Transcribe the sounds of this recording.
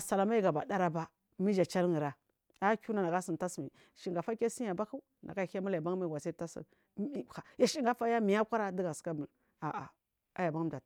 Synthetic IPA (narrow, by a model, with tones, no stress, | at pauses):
sa˨la˨ma˦i˦ɡa˨ba˨da˦ɾa˦ba˦ | mi˦d͡ʒa˨t͡ʃa˦lŋi˨ɾa˦ | a˦kʲu˦na˨na˨ɡa˦si˨n˨ta˦smi˨ | ʃi˨ŋɡa˨fa˦kʲa˦si˦ja˨ba˦ku˦ | na˨a˦˨˦a˦ma˦la˨ba˦ŋ˦mi˦˨ɡʷa˨sa˦a˦sḭ˨˦ | i˦˨xa˨ja˨ʃi˦ŋ˦ɡa˦fa˦ja˦mi˨ja˦kʷa˦ɾa˦di˦ɡa˨ska˦bu˨l | a˨ʔa̰˨ | a˦ja˨ba˦ŋ˦md͡ʒa˨